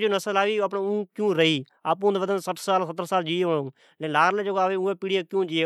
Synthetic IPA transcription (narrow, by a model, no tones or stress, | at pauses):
d͡ʒoːnəsəlaːʋiːəpnẽːũːkjũːɾəiː | aːp̬ũːnd̪ʋəd̪ənsəʈʰsaːlsət̪ɾsaːld͡ʒiːeoɽõː | lelaːɾleːd͡ʒəɡoaːʋeːũːeːpiːɽɪjaːkjũːd͡ʒieː